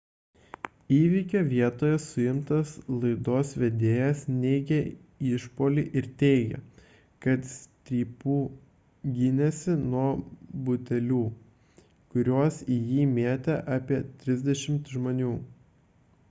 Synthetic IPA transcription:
iːʋʲiːkʲoːʋʲiɛt̪oːjɛsʊjɪmt̪ɐslˠɐɪd̪oːsʋʲɛd̪ʲeːjɛsnʲɛɪɡʲɛ | ɪʃpoːlʲiʔɪɾt̪ʲɛɪɡʲɛ̰ | kɐt̪sʲt̪ʲɾʲiːpuː | ɡʲɪnʲɛsʲɪnuɔbʊt̪ʲɛlʲuː | kʊɾʲuɔsijiːmʲeɛt̪ʲɛʔɑːpʲiɛt̪ʲɾʲɪzʲd̪ʲɛʃʲɪmt̪ʒmoːnʲuː

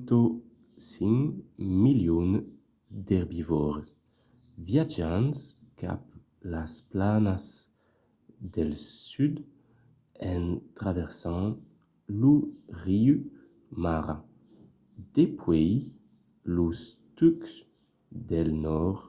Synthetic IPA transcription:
t̪o | siŋmiljon | d̪ɛʁbivɔʁ | vjad͡ʒãns | ka̰p | lasplanas | d̪ɛlsyd̪ | ɛnt̪ʁavɛʁsɑ̃ | luʁiu | maʁa | d̪̥epʰwɛj | lust̪yks | d̪ɛlnɔʁ

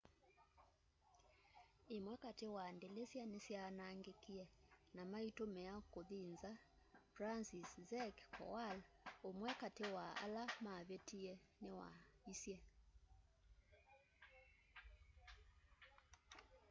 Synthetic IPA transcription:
emwɛkatewandelesjanesjanaŋɡekiɛnamaitomɛakoðinza | fransiszɛkkʰɔ̰walomwɛkatewaa̰lamaβetiɛnewa̰isjɛ

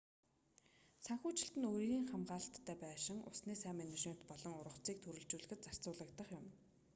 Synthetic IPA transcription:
saŋxuːt͡ɕɪ̆ɬt̪ɘ̆noːɾiːɣiːŋχamɢaːɮə̆t̪ʰːæːpæːʃɪ̆ŋʔʊ̰sniːsæːmænet͡ɕmen̥t̪pɔɮɞ̆ŋʊɾə̆wt͡siːk̚t̪ʰuɾɘ̆ɮt͡ɕuːɮɘ̆ɣɘ̆t̪̚t͡sar̥t͡sʊːɮə̆kt̪ə̆χjʊm

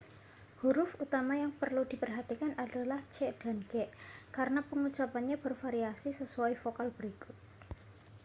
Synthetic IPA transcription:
huɾʊfut̪amajaŋpərlud̪̥i̤pərɦat̪ikanʔad̥alaht͡ʃɛʔd̥a̤nɡɛʔkaɾənapəŋut͡ʃapanɲab̥ərfaɾiasisəsuaifokalb̥əɾikʊ̥t̪̚

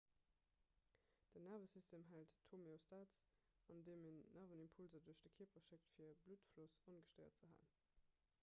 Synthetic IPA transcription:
d̥ənɛʁvəsistʰeːmɦælttʰːomeostaːtt͡s | ɑndeːmenːɛvənimpʰulzɐduɐɕd̥əkʰiːɐpʰɐʃek̚tfiːɐbluːtflusonɡəʃtəɪɐ̰tt͡səɦa̰ːn

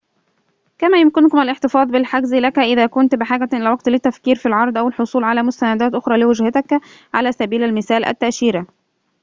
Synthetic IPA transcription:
kæmæːjʊmkɪnkʊmælʔɪħt̪ɪfɑːd̪ˤbɪlħaɡzilækæʔɪðæːkʊnt̪bɪħaːɡæʔɪlæwɑɡ̚t̪lɪt̪ːæfkiːɾfilʕɑɾˤd̪ˤʔæwɪlħosˤuːlʕalæːmʊst̪ænæd̪æːt̪ʔoxɾˤɑːlɪwɪd͡ʒhæt̪æk | ʕalæːsæbiːlælmɪθæːlʔæ̰t̪ːæʔʃiːɾæ

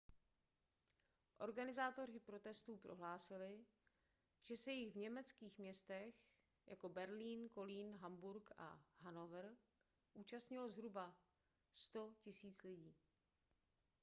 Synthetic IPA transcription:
ʔo̞ɾɡanɪzaːt̪o̞r̝ɪpɾo̞t̪ɛst̪uːpɾo̞ɦlaːsɪlɪ | ʒ̥ɛsɛjɪɣvɲɛmɛt͡skiːxmɲɛst̪ɛx | jʔa̰ko̞bɛɾliːnko̞liːnɦambuɾkʔa̰ɦanovɾ | ʔuːt͡ʃast̪ɲɪlozɦɾuba | st̪o̞cɪsiːt͡slɪɟiː

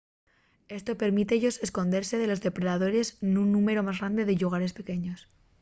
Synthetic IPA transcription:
e̞st̪o̞pe̞ɾmit̪eeʝo̞se̞sko̞nd̪e̞ɾse̞ðe̞lo̞zðe̞pɾeðaðo̞ɾe̞snunːũme̞ɾo̞mazɣɾand̪e̞ðeʎuɣ̞aɾe̞spe̞ke̞ɲo̞s

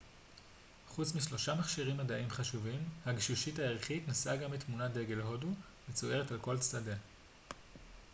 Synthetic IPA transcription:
χut͡smiʃlo̞ʃamaχʃiʁimːadaʔimχaʃuvimhaɡiʃuʃithaeʁχitnasaɡamitmunadeɡe̞lɦo̞du | vet͡soe̞ʁetalko̞lt͡stade

